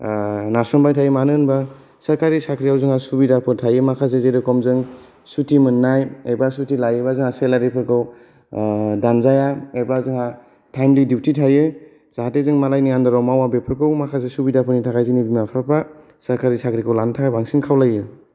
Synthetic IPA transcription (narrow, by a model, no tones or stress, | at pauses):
naɾsɔnbajtʰajɯmanɯnba | saɾkʰaɾisakʰɾijawzɯŋasubidapʰɯtʰajɯmakʰasezeɾɯkʰɔmzɯŋ | sutimɯnːajebasutilajɯbazɯŋaselaɾipʰɯɾkʰɯw | danzajaeblazɯŋa | tʰajmlidip̚ʰtitʰajɯ | z̥aɦatezɯŋmalajniŋandaɾawmawabepʰɯɾkʰɯwmakʰasesubidapʰɯnitʰakajzinibimapʰɾapʰa | saɾkaɾisakʰɾikʰɯwlantʰakajbaŋsiŋkʰawlajɯ